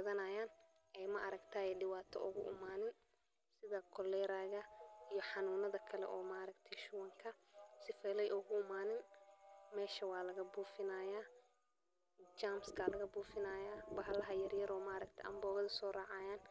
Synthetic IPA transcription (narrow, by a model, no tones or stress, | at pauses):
ɐðɐnaːjaːn | ʔɛjmɐʔɐɾɐɡt̪ʰaːjɛɖɪwaːt̪ʰɔ̰ʔʊɣʊ̰ʔɪ̰maːnɪn | sɪðɐkʰɔlɛːɾaːɣɐijɔħɑnuːnɐðɐkʰɐlɛ̰ʔɔːmaːɾɐkt̪ʰɛjʃʊwɐŋkʰɐsɪfɛːlɛjʔʊɣʊɪmaːnɪnmɛːʃɐwɑːlɐɣɐbuːfɪnaːjaː | d͡ʒaːmskʰaːlɐɣɐbuːfɪnaːjaːbɐɦɐlɐɦɐjɐɾjɐɾɔːmaːɾɐk̚t̪ʰɛʔɐ̰mbɔːɣɐðɐsɔːrɑːʕɑːjaːn